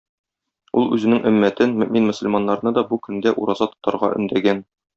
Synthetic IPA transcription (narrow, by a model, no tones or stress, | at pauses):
ṵlˠʉzɘ̆nɘŋʔɵ̆mːæt̪ɘnmɵ̆minmɵ̆sɵ̆lʲmɑnːɑɾnɤd̪ɒbukɵ̆nd̪æʔṵɾɑzɑt̪ŏ̥t̪ɑɾʁɑ̰ʔɵ̰̆nd̪æɡæn